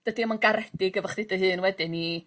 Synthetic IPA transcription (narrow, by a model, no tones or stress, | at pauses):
d̥ədimanɡaɾɛd̥ɪɡəvɔχd̥ɨdəɦɨːnwɛdɪni